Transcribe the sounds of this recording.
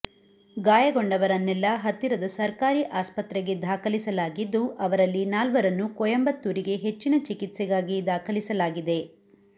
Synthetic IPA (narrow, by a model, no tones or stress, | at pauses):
ɡaːjɐɡo̞ɳɖɐʋɐɾɐnːɛlːɐɦɐt̪ːiɾɐd̪ɐsɐɾkaːɾiʔaːspɐt̪ɾɛɡe̞d̪ʱaːkɐlisɐlaːɡid̪ːuʔɐʋɐɾɐlːinaːlʋɐɾɐnːukɔjɐmbɐt̪ːuːɾiɡe̞ɦe̞t͡ʃːinɐt͡ʃikit̪sɛɡaːɡid̪ʱaːkʰɐlisɐlaːɡid̪e̞